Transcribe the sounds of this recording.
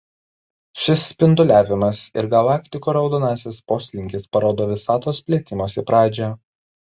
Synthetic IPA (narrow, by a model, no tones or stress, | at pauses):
ʃʲɪspʲɪnd̪ʊlʲæːʋʲɪmɐsɪ̰ɾɡɐlˠɑːkt̪ʲɪkoːɾɒʊd̪oːnɑːsʲɪspoːsʲlʲɪŋʲkʲɪspɐɾoːd̪oːʋʲɪsɑːt̪oːspʲlʲeɛt̪ʲɪmoːsʲɪpɾɑːd͡ʒʲɛ